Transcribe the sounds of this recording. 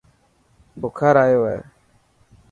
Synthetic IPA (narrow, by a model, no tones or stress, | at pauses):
bʊkʰaɾaɪwɛ̰